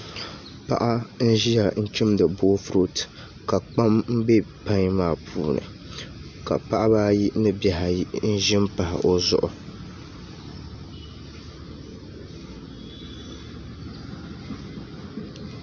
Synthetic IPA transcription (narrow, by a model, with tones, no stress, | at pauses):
pa̰˦ʔa˦n̩˦ʒi˦ja˨n̩˦t͡ʃʊ˦mdɨ˨boː˦fɾo˦t | ka˨k͡pa˦mm̩˦be˦pa˦ɲ˦maː˦˨pʰuː˨nɨ̰˨ | ka̰˨pa˦ʔa˦baː˦ji˦nɨ˦ba˨ɦa˨i˦n̩˦ʒɪ˦m˦pa˨hɪ̰˨ʔo˦zʊ̰˨ʔʊ˨